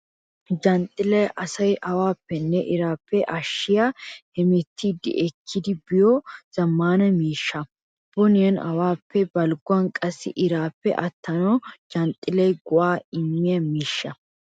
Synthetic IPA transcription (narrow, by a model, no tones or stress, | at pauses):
d͡ʒɐnt̪ʼːɪlɐjʔɐsɐjʔɐwaːpːɛnːɛʔɪɾaːpːɛʔɐʃːɪjahɛmɛt̪ʰːiːd̪ːɪ̰ʔɛkʰːɪd̪ɪbɪjɔz̥ɐmːaːnɐmiːʃːɐ | b̥ɔnɪjɐnɐ̰waːpːɛbɐlɡʊɐnkʼɐsːɪ̰ʔɪɾaːpːɛ̰ʔɐt̪ːɐnɔd͡ʒɐnt̪ʼːɪlɐjɡʊʔaːɪmːɪjɐmiːʃːɐ